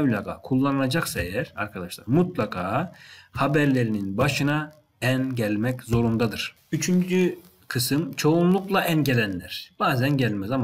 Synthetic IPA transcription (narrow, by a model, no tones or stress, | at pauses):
vlʲaːɡa̰kʰulˠːanɯlˠad͡ʒaksaejæɾ̥aɾkʰad̪aʃlˠa̰ɾmut̪lˠakʰaːhabæɾlʲe̞ɾininbaʃɯna | ænɟælʲmɛczo̞ɾund̪ad̪ɯɾ̥ | yt͡ʃʰynd͡ʒy | kʰɯsɯmt͡ʃʰo̞unlˠuklˠaʔænɟelʲænlʲæɾ̥b̥aːzænɟælʲmɛzam